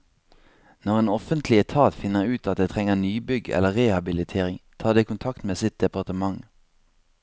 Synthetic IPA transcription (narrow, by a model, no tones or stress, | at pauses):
nɔʁeːnɔfənt̪ʰlɪɛt̪ʰɑːt̪fɪnəʁʉːt̪ɑt̪̚d̪eːt̪ʰʁɛŋənyːbʏɡɛ̰ləʁɛhɑbɪlɪt̪ʰeːʁɪŋt̪ʰɑːd̪eːkʊnt̪ʰɑkt̪meːsɪt̪̚d̪ɛpɑʁt̪əmɑŋ